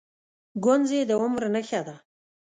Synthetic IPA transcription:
ɡʊnzed̪əʊmɾnəxad̪a

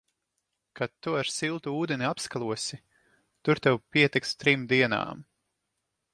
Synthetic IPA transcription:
kat̪ːuaɾsilˠt̪uuːd̪enʲiapskalˠuɔsi | t̪uɾt̪ɛwpiɛt̪ikst̪ɾimd̪iɛna̰ːm

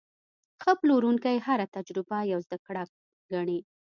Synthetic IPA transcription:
xəploɾuŋkajhaɾat̪ad͡ʒɾɪbajawzd̪akɽa | ɡaɳi

